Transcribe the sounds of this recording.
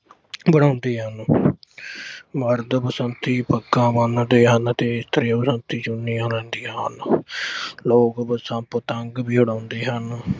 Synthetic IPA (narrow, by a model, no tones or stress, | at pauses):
bəɽ̃ãːʊnd̪iːɦən | məɾd̪pəsənt̪iːpəɡãːbənd̪eːɦənt̪eːɪst̪əɾẽːpəsənt̪iːt͡ʃʊnːiːãːlɛ̃ːnd̪iːə̰n | loːkbəsãːpət̪əŋɡbiːɦʊɽãːʊnd̪eːɦən